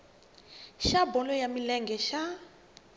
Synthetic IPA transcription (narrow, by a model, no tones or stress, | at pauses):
ʃabɔlɔjamilɛŋɡɛʃa